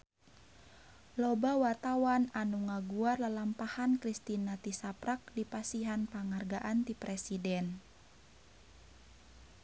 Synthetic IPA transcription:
lɔbawart̪awananuŋaɡuarlalampahankɾist̪inat̪isapɾak̚dipasiɦanpaŋarɡaʔant̪ipɾɛsidɛn

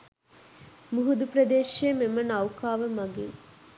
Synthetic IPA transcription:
muɦud̪uprɐd̪eːʃeːmemənɐwkaːʋəmɐɡiŋ

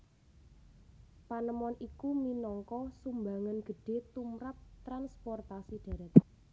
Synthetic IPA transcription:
panəmɔnikuminɔŋkɔsumbaŋənɡ̥ə̤ɖ̥e̤t̪umɾap̚t̪ɾanspɔrt̪asiɖ̪̥a̤ɾɛt̪̚

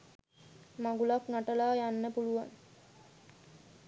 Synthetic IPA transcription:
maɡulaknaʈəlaːjanːəpuluʋa̰n

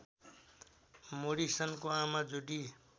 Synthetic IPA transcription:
moɽisʌnkoamad͡zuɖi

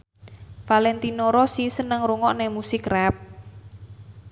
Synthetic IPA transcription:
falɛnt̪inoɾosisənəŋruŋɔʔnɛmusɪkrɛp̚

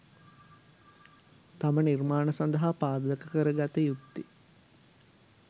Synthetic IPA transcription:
t̪amənirmaːnəsand̪əɦapaːd̪ələkəkəɾəɡat̪əjut̪ːi

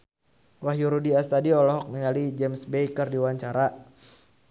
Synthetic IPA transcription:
wahjuɾudiast̪adiɔlɔɦɔk̚niŋalid͡ʒɛmsbejkərdiwaɲt͡ʃaɾa

